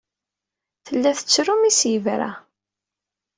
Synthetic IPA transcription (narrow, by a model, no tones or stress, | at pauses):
θəlːæθə̥t͡sːɾumisjivɾæ̰